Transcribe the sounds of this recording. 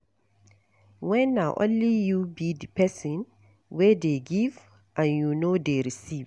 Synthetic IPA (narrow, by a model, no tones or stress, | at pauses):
wɛnːaʔɔ̰̃nlijubidpɛsɔ̃n | wɛdeɡiv | ʔãnjunodeɾisiv